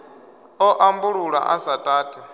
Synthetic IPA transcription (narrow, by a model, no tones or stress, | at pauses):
ɔʔambuɺuɺa̰ʔasatʼaːtʼa